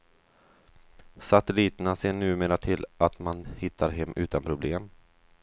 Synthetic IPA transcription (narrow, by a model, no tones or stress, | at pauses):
sat̪ɛliːt̪ənaseːɳʉ̟ːmeːɾaʈ̪ʰɪlʔat̪manhɪt̪ʰːaɾɦɛmːʔʉ̟ːt̪anpʰɾʊbleːm